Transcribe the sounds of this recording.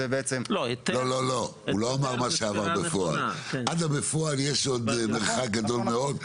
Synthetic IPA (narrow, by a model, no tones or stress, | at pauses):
ebeet͡semlolo̞lo̞ | ulo̞amaʁmaʃeavaʁbefoa̰lʔadabefoaljeʃo̞d̪meʁχak̚ɡado̞lme̞o̞d̪